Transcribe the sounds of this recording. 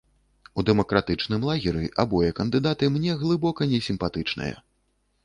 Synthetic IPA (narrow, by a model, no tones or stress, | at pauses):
ud̪ɛmɐkɾat̪ɨt͡ʂnɨmlˠaɣʲiɾʲiʔabɔjɛkɐnd̪ɨd̪at̪ɨmnʲɛɣlˠɨbɔkɐnʲɛsʲimpat̪ɨt͡ʂnɐ̰jɐ̰